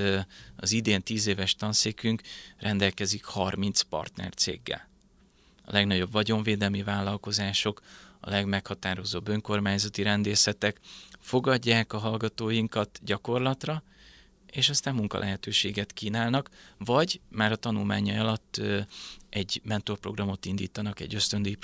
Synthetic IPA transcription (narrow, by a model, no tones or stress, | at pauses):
ɒzid̪eːnt̪iːzeːvɛʃt̪ɒnseːkyŋkrʔɛnd̪ɛlkɛzikhɒrmint̪spɒ̰rt̪nɛ̰rt̪sḛːɡːɛ̰l | ɒ̰lɛɡnɒɟo̞bvɒɟo̞ɱveːd̪ɛlmivaːlːɒlko̞zaːʃo̞kɒ̰lɛɡmɛkhɒt̪aːɾo̞zoːbːø̞ŋko̞rmaːɲzɒt̪iɾɛnd̪eːsɛt̪ɛkfo̞ɡɒɟːaːkɒɦɒlɡɒt̪oːjiŋkɒt̪ɟɒko̞rlɒt̪rɒ | eːʃɒst̪aːmmuŋkɒ̰lʔɛ̰ɦɛt̪øːʃeːɡɛt̪kiːnaːlnɒkvɒɟmaːɾɒt̪ɒnulma̰ːɲɒɒlɒt̪ː | ʔɛɟmɛnt̪o̞rpro̞̰ɡrɒmo̞t̪ind̪ḭːt̪ɒnɒkɛ̰ɟːø̞st̪ø̞nd̪ø